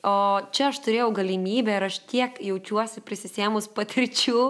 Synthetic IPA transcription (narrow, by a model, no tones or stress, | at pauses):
oːt͡ʃʲɛɐʃt̪ʊɾʲeːjɛʊɡɐlʲɪmʲiːbʲɛɪɾɐʃt̪ʲiɛkjɛʊt͡ʃʲuɔsʲɪpʲɾʲɪsʲɪsʲeːmʊspɐt̪ʲɾʲɪt͡ʃʲuː